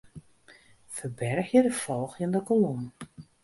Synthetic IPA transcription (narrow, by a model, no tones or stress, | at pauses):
fərbɛrəxjədəfolˠxjəndəkolun